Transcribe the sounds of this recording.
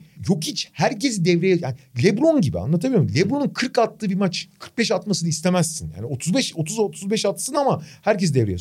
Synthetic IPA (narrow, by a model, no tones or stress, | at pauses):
jo̞khit͡ʃhæɾcʰe̞zid̪ɛvɾejɛjanilʲɛbɾˠonɟibḭa̰nˠat̪̬ʰabilʲiɾmmlʲɛblɾˠo̞nunkʰɯɾkat̪lˠɯːbimat͡ʃkʰɯ̥ɾk̚bɛʃat̪masɯnaist̪ʰe̞mæsːinja̰ːniot̪ʰuzbɛʃo̞t̪ʰuzot̪ʰuzbɛʃat̪sɯnamahæɾcʰezid̪ɛvɾejɛ̰